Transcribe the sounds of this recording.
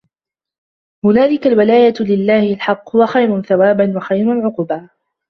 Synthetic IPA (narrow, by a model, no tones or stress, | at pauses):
hʊnaːlɪkalwɪlaːjalɪlːaːhɪlħɑqːʊwaxajɾʊnθawaːbanwaxajɾʊlʕʊqʊba